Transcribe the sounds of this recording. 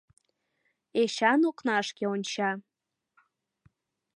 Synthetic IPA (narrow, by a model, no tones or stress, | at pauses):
eʃɑnuqnɑʃkʲeonʲt͡ɕɑ